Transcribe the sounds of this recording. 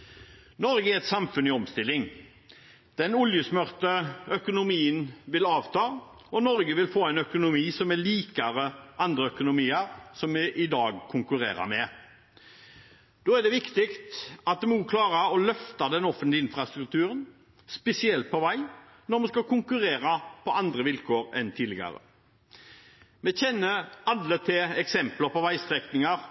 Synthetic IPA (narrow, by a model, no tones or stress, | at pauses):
nɔɾɡəɛɾɛt̪sɑmfʉnɪɔmst̪ɪlːɪŋ | d̪̥ɛnʊljəsmœʁt̪əœkʊnʊmiːənʋɪlɑːʋt̪ʰɑː | ɔnɔɾɡəʋɪlfoːæɪnœkʊnʊmiːsɔmɛɭiːkɑɾəʔɑnd̪ɾəœkʊnʊmiːəɾsɔmʔɪd̪ɑːɡkʰʊŋkʉɾḛːɾɑ̰mɛ | d̪̥oːæɖ̪ɛʋɪkt̪ɪkt̪ɑt̪̚d̪ɛmuːkʰlɑːɾəɔlœft̪ɑd̪ɛnɔfənt̪lɪɪnfʁɑst̪ɾʉk̚t̪ʰʉːɾən | spɛsɪɛlt̪̚pʰɔʋæɪ | nɔɾmɛskɑkʰʊŋkʉɾeːɾɑpʰɔɑnd̪ɾəʋɪlkʰoːɾɛ̰nt̪ʰiːlɪɡɑ̰ɾə̰ | mɛçɛnːəɑlːət̪ʰɪɛksɛmpləpɔʋæɪst̪ʁɛknɪŋɑɾ